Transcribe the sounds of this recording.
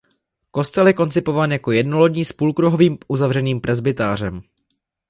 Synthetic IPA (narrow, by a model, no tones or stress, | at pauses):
ko̞st̪ɛljɛko̞nt͡sɪpo̞vaːnjako̞jɛdnolodɲiːspuːlkɾuɦo̞viːmʔuzavrɛniːmpɾʔɛzbɪt̪aːr̝ɛm